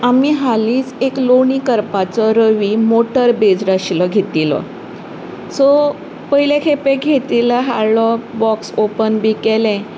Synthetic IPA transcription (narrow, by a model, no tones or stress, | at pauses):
amiɦaliːt͡sekloɳiːkəɾpat͡sɔɾəʋimoʈəɾbed͡zɾəɕilɔɡʱet̪ilə̰ | sɔ | pəɦilekʰepeɡʱet̪ilaɦaɾlɔbɔksopənbiːkɛlɛ̃